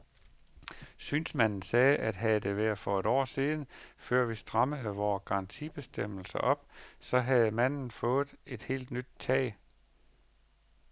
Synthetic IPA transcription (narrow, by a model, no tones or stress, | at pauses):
syːnsmæn̰n̩sɛːʔæd̥ɦæðˠd̥e̝ʋæɐfɒ̽e̝ɾ̥ɒ̰ːsiːð̞ˠn̩føɐ̰ʋisd̥ʁɑməð̩ˠʋɒːɡ̥ɑ̈ʁɑnt͡sʰḭb̥e̝sd̥em̰l̩sɐʔɒ̽b̥sɒ̽ɦæð̩ˠəmæn̰n̩fɔ̽ːð̩ˠe̝d̥he̝̰ːld̥nyd̥̚t͡sʰɛ̰ː